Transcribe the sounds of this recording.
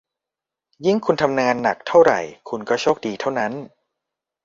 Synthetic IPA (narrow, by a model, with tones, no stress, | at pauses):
ji˥˩ŋkʰu˧nt̪ʰa˧mŋaː˧nːa˨˩k̚t̪ʰa˥˩wɾa̰˨˩jkʰu˧nkɔː˥˩t͡ɕʰoː˥˩k̚diː˧t̪ʰa˥˩wna˦˥n